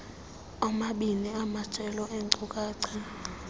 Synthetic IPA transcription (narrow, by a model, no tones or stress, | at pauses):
amaɓiniamḁt͡ʃʼɛlɔʔeŋǀʼukʼaːǀʰi